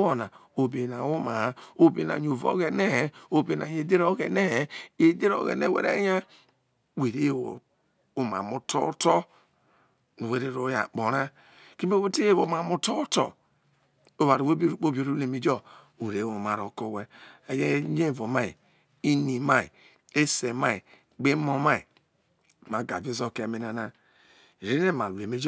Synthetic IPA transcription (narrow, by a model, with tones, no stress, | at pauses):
wo˦na˨o˨be˨na˨wo˦ma˨˦o˨be˨na̰˨ɲ˨o˨vo̰˨˦ɣe˨ne˦˨o˨be˨na˨je˨de˦ɾo˦ɡe˨ne˦˨je˨˦de˦ɾo̰˨˦ɣḛ˨nḛ˦˨wḛ˨ɾḛ˦ɲa˦ | we˨ɾe˦jo̰˨ | u˦ma̰˨mu˦to˦to˦ | no˨we˦ɾe˦ɾo˨˦ja̰˨k͡po˨ɾa˦ | ki˦m˦o˦wo˦te˦je˦wo˨˦ma˨mu˦to˦to̰˨ | o˦βa˨ɾwo˦bo˦ɾu˨k͡po˦bi˨o˨ɾo˦e˨me˨d͡ʒo˦˨ | e˨ɾe˨˦o˨ma˨ɾo˨ko˦˨we˦e˨je˦ɲe˦˨vo˨ma˦ḭ˨ | i˦ni˨ma˦ḭ˨ | e˦se˨ma˦i˨ | ɡ͡be˦mo˦ma˦ḭ˨ | ma˨ɡa̰˨vo˦zo˦˨ke˦˨me˨na˨na˦˨ | ɾi˦ne˦˨ma˨lu˨e˨me˦d͡ʒ